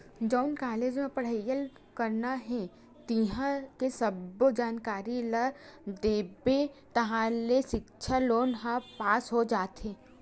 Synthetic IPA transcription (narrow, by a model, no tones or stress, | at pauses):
d͡ʒɔʊnkaːleːd͡ʒmẽpɐɽ̤əjəl | kɐɾnaɦɛ̃ | t̪iɦãkesɐbod͡ʒaːnkaːɾiləd̪eːbet̪ɐɦãleʃɪkt͡ʃʰaloːnɦãpaːsɦod͡ʒaːt̪ẽː